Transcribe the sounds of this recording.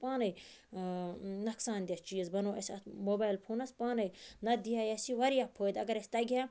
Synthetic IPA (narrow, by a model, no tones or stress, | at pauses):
paːnɐj | nɐksaːnd̪ʲɐst͡ʃiːzbɐnoːɐsʲɐ̰t̪moːbaːjlpʰoːnɐspaːnɐjnɐd̪ijaːjɐsiʋɐɾjapʰoːd̪ɐɡɐɾesʲt̪ɐɡʲjaː